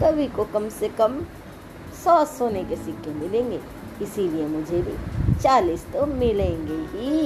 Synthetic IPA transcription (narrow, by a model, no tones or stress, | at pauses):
kɐbʱikokɐmsekɐm | sɔːsoːnekesɪkːemɪlẽːŋɡeː | ɪsiliemʊd͡ʒʱebʱit͡ʃaːliːst̪omɪlẽːŋɡeɦi